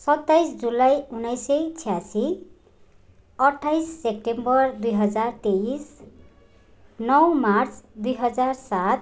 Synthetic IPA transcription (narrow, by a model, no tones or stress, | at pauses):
sʌt̪ːajsd͡zulajunʌjsʌjt͡sʰijasi | ʌʈʰːajsːep̚ʈembʌrd̪ujɦʌd͡zart̪eis | nʌwmart͡sʰd̪ujɦʌd͡zarsat̪̚ʰ